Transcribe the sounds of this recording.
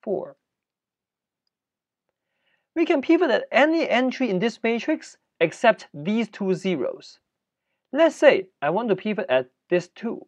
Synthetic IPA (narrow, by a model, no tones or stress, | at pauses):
fɔ̰ɹ | wikʰɛ̃npʰivɨtɨtɛniʔɛ̃nt͡ʃɹ̥iɪ̃nðɪsmet͡ʃʰɹ̥ɪks | ɛksɛp̚tðiːztʰuziɹo̰ʊz̥ | lɛtseɪaɪwɔ̃ntupʰivɨtæt̚ðɪstʰṵ